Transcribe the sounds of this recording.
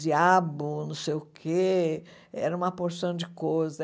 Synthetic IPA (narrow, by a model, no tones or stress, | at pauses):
d͡ʒiabʊnɐ̃w̃sejʊkʰe | ɛ̰ɾɐũmɐpoɾsɐ̃w̃d͡ʒɪkojzɐ